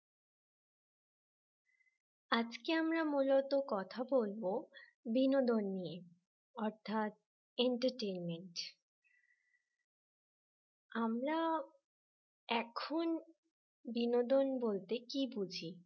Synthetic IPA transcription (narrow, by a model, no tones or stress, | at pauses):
ad͡ʑkeamɾamulot̪okɔt̪ʰabolbo | binod̪onːije | ɔɾt̪ʰat̪̚ | eɳʈəɾʈenmeɳʈ | amɾa | ɛkʰon | binod̪onbolt̪ekibud͡ʑʱi